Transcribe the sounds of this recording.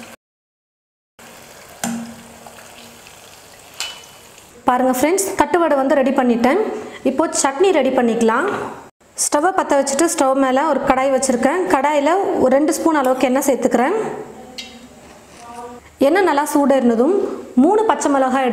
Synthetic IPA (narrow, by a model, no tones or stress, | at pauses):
paːɾɯŋɡɐfɾɛɳɖst̪ɐʈːɯʋɐɽɯʋɐnd̪ɯɾɛɽipɐɳːɪʈːẽːɪpːoːt͡ʃɐʈniːɾɛɽipɐɳːɪkːɐlãː | sʈɐʋɐpɐt̪ːɐʋɐt͡ʃːɯʈːɯsʈɐʋmeːlɐɔɾɯkɐɽaːjʋɐt͡ʃːɪɾɯkːẽːkɐɽaːjɪlɐɔɾɯɾɛɳɖɯspuːnɐlɐʋɯkːɯɛnːɐsɛjt̪ːɯkːɪɾẽː | ɛnːɐnɐlːaːsuːɽɐɪɾɯnd̪ɐðɯmːuːɳɯpɐt͡ʃːɐmɐlɐɣaːɛɽɯ